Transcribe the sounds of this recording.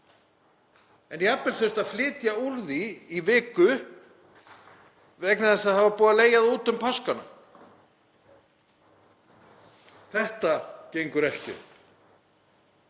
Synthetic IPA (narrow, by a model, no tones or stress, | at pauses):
ɛniapːɪlθœst̪aðflɪːt̪jaulðiːvɪːkʏ | vɛknaðɛsaðhavapuːðaleːjaðuːt̪ʏmpʰɔskana̰ | θɛht̪acejŋkʏɾɛhcɪ̰